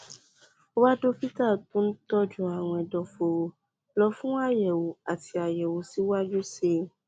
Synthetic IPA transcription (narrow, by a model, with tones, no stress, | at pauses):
o˦wa˦do˦pi˦ta˦˨tõ˦n̩˦tɔ˦˨d͡ʒu˦a˨w̃ɔ̃˧ɛ˨dɔ˨fo˨o˧ | lɔ˧˦fũ˦a˦˨jɛ˨wo˨a˨ti˧a˨jɛ˨wo˨˦si˨˦wa˦d͡ʒu˦se˦˨